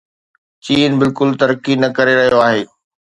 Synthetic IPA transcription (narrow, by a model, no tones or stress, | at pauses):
t͡ɕiːnbɪlkʊlt̪ɐɾkinɐkɐɾeɾɐɦijoaːɦeː